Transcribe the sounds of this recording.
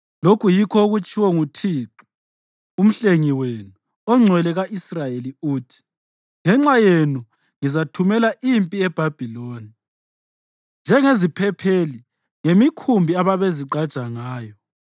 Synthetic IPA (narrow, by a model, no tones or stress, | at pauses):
lokʰujikʰɔoɣut͡ʃʼʰiwɔŋutʰiːǁu̥ | um̩ɬeŋiwenu | ɔŋ͡ǀʱwɛlɛɣaʔisrajeliuːtʰi̥ | ŋɛŋ͡ǁajenu | ŋizatʰumɛlaʔimpʼiɛb̥ʱab̥ʱiloːni | nd͡ʒʱɛŋezipʰɛpʰeli | ŋemikʰumbʱiaβaβeziǃad̥ʒ̥ʱaŋaːjɔ